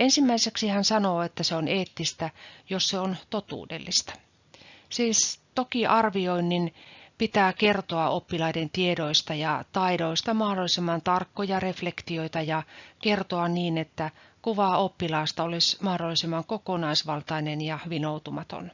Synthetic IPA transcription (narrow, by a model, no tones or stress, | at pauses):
ensimːæiseksihænsɑnoːet̪ːæseoneːt̪ːist̪æjosseont̪ot̪ṵːdḛlːist̪ɑ̥ | siːst̪okiʔɑrʋioinːinpit̪æːkert̪oɑʔopːilɑident̪iedoist̪ɑjɑt̪ɑidoist̪ɑmɑhdolːˑisemːɑnt̪ɑrkːojɑreflekt̪ioit̪ɑjɑkert̪oɑnniːnet̪ːækuʋɑopːilɑːst̪ɑolismɑhdolːˑisemːɑŋkokonɑisʋɑlt̪ɑinenjɑhʋinout̪umɑt̪o̰n